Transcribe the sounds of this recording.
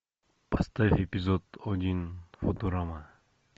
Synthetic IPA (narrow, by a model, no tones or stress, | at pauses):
pʰast̪afepizɔd̪ɔd̪infot̪uɾama